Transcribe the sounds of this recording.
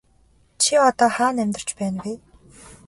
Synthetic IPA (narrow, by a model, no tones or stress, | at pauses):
t͡ɕʰiɔt̪ɔːχaːnæmʲt̪ɪ̆r̥t͡ɕpæːnwi